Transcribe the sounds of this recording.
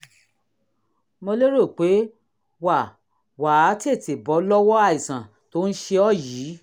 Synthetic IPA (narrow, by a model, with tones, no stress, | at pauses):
mõ˧le˦ɾo˦˨k͡pe˨˦ | wa˦˨ | waː˨˦te˦˨te˨bɔ˨˦lɔ˦wɔ˦a˦˨i˨sã˨ | to˨˦n̩˦ʃe˧ɔ˦˨jiː˨˦